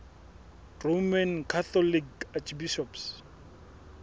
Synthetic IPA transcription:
romankʰat̪ɔlikat͡ʃʰbiʃɔps

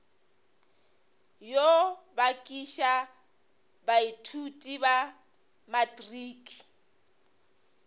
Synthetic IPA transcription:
jobakʼiʃa | baitʰutʼiβa | matriːki

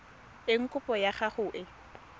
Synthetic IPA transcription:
ɪŋ̩kʼʊpʼɔjaχaχʊʔɪ

